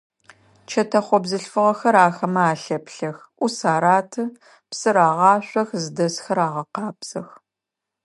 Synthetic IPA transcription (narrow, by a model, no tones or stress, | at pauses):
t͡ʃʰɐtʰɐχʷɔbzɨɬfɨʁɐxɐɾaːxɐmɐaːɬɐpɬɐx | ʔʷusaːɾaːtʰɨ | psɨɾaːʁɑːɕʷʼɔxzɨdɐsxɐɾaːʁɐqɑːpz̥ɐx